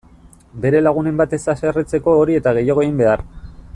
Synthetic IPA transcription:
be̞ɾe̞laɣ̞une̞mbat̪e̞saseret͡se̞ko̞ːɾie̞t̪aɣe̞jaɣeɣimbe̞ar

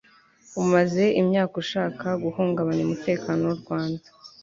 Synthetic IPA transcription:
umaze̞imɲaːkuʃaːkaɡuhuːŋɡaβaniumute̞ːkaːnowuɾɡwaːndḁ

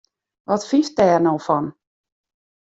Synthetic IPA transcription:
ʋɔtfis̚dɛːrnowfɔn

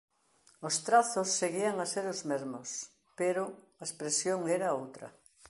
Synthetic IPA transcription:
ost̪ɾaθʊsːeɣiaŋɐseɾozmezmos | peɾʊ | ɐespɾesjoŋɛɾɐowt̪ɾɐ̰

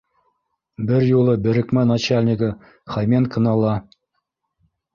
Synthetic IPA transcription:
bɘɾjulˠɤbɘ̆ɾɘ̆kmænat͡ɕalʲnʲɪkə | χɑjmʲenkɤ̆nɤ̆lˠɑ

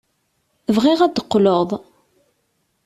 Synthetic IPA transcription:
əvʁiʁæd̪əqːloðˤ

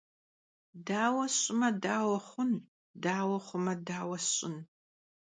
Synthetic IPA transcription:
daːwɐɕʼɪmɐdaːwɐχʷʊn | daːwɐχʷʊmɐdaːwɐɕʼɪn

